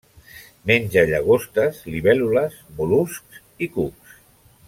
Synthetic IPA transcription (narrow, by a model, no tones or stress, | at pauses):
menʲd͡ʒaʎaɣost̪əzliβɛluləzmulusks | ikuks